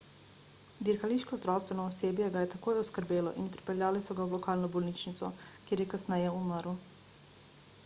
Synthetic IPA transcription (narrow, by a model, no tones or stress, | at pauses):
d̪iɾxaliʃkɔzd̪ɾawst̪ʋenɔːsjeːbjeɡajɛt̪akoːjɔskəɾbeːlɔ̰ʔinpɾi̥peljaːlisɔɡaulɔkaːlnɔbolnit͡ʃnit̪sɔkjeːɾjɛkasnɛjɛuməɾu